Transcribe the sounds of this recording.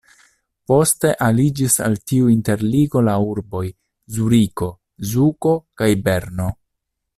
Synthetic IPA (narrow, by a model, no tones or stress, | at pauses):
po̞ste̞ʔalid͡ʒisa̰ltiuinte̞ɾliɡo̞lauɾbo̞j | zuɾiko̞ | zuko̞kajbe̞ɾno̞